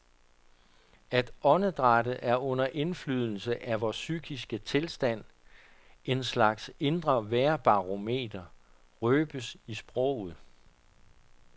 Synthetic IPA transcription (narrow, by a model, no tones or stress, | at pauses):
æd̥ɒ̽nəd̥ʁɑ̈dəʔæɐɔ̽n̰ɐʔe̝nflyð̞̰ˠl̩səʔæʋɒːsyɡ̥isɡ̥ət͡sʰe̝lsd̥æn̰ | e̝nslɑ̈ɡ̥se̝nd̥ʁɐʋæɐb̥ɑ̈ʁo̝me̝̰ːd̥ɐ | ʁøːb̥əsisb̥ʁɔʊ̰ð̩ˠ